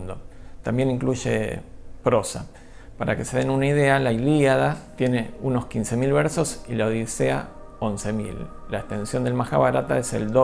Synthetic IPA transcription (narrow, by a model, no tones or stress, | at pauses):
nd̪o̞t̪ambje̞nĩŋkluʒe̞̰pɾo̞sa̰ | paɾʔa̰ke̞se̞ðenunaið̞e̞alailiaðat̪je̞ne̞uno̞skinse̞milβe̞ɾso̞silaoðisea̰ | o̞nse̞mḭlː | aekst̪e̞nsjo̞nd̪e̞lmaxaβaɾat̪ae̞sḛld̪o